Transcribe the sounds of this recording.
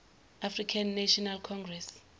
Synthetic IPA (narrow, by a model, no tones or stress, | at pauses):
afrikʰanːaʃɔnalkʰɔŋɡrɛs